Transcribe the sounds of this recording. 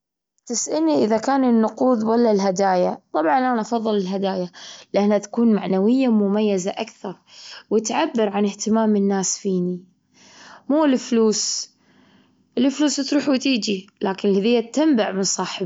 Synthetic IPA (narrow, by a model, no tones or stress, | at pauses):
t̪ɪsʔɪlniʔɪðakaːnɪnːʊquːd̪walːalɦad̪aːjat̪ˤɑbʕɑnʔanaʔɑfɑðˤːɨlɪlɦad̪aːjalɪʔanːat̪ḁkuːnmaʕnawɪjːamʊmajːazaʔakθɑɾˤwɪt̪ʕabːɪɾʕanɪht̪ɪmaːmɪnːaːsfiːni | muːlfluːs | ʔɪlɪfluːst̪ɾuːħwt̪iːd͡ʒilaːkɪnɪlhad̪ɪjːat̪ːambaʕmɪnsˤɑːħɪb